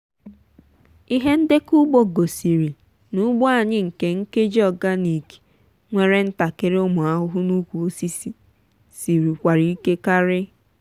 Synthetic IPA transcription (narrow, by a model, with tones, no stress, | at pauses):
i˦ɦe˦n̩˦de˦ku˦ɡ͡bo˨ɡo˨si˨ɾi˨ | nu˦ɡ͡bɔ˦a˨ɲɪ˦ŋ̩˨ke˦ŋ̩˦ke˦d͡ʒɔ˨ɡa˦ni˨ki̥˨ | ŋʷe˦ɾe˦n̩˦ta˨ke˦ɾʊ˦mʊ˨a˦ɦʊ˦ɦʊ˦nu˦kʷu˨o˦si˦si˦ | si˨ɾi˨kʷa˨ɾi˨i˦ke˦ka˦ɾɪ˦